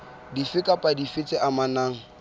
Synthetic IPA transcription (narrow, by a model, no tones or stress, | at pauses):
difɪkʼapʼadifɪt͡sʼɛʔamanaːŋ̩